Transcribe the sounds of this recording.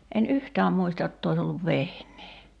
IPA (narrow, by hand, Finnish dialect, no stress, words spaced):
en yhtæːm muistɑ jotː ois olːuʋ ʋehnˑeː